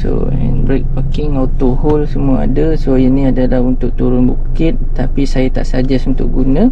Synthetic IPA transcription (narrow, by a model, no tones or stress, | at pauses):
so̰ | ə̰nbɾɛk̚pakɪŋawt̪oɦɔlsəmũaa̰dasojənĩadalahunt̪ʊʔ̚t̪uɾʊnbukɪt̪̚ːapisajat̪a̰ʔsəad͡ʒɛsunt̪ʊʔ̚ɡunə̃